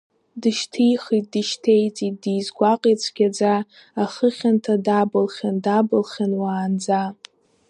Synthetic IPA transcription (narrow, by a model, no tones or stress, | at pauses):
dɨʃtʰijχit̚dɨʃtʰejt͡sʼit̚dijzɡʷaqʼit͡sʷʰʼɡʲad͡zaː | χəχʲantʰadabɨlχʲandabɨlχʲanwaːnd͡za